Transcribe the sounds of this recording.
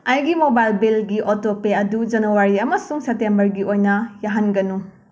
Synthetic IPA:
ɐjɡimobajlbilɡiʔotopeɐdud͡ʒɐnɐwaɾiɐmɐsuŋsep̚tembɐɾɡiojnɐjaɦɐnɡɐnu

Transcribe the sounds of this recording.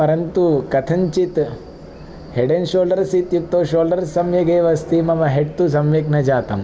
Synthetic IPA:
pɐɾɐnt̪ukɐt̪ʰɐɲt͡ʃit̪ | heɽenʃoːlɖɐɾsit̪juk̚t̪ːoːʃoːlɖɐɾsɐmjɐɡeːʋɐst̪imɐmɐɦeʈt̪us̬ɐmʋjɐknɐd͡ʒaːt̪ɐ̰m

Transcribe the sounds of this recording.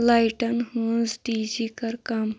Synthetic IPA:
lajʈənhud͡zɖid͡ʑikəɾkam

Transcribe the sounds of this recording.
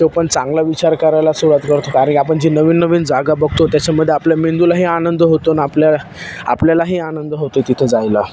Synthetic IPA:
t̪ewpəɳt͡sãŋɡlaʋit͡ɕaɾkəɾajlasuɭat̪kəɾt̪okaɾãɳkʲiapəɳd͡ʑiːnəʋiːnːəʋiːnd͡zaɡabəɡʱt̪ot̪jat͡ɕaməd̪ʱːjeapljamend̪ulaɦiːanənd̪əɦot̪onaplja | a̰pljalaɦiːanənd̪ɦot̪et̪it̪ʰed͡zajla

